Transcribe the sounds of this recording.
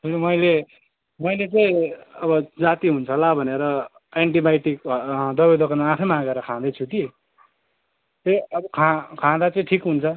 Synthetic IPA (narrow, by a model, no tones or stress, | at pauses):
tʰelimʌjle | mʌjlet͡sʌĩʌbʌd͡zat̪iɦunt͡sʰʌlabʱʌneɾʌ | eɳʈibajʈikd̪ʌbed̪ʌkʌnaapʰʌjmãɡʌɾʌkʰãd̪ʌjt͡sʰuk̪i | t̪eʌbʌkʰãkʰãd̪at͡sʌĩʈʰikɦunt͡sʰʌ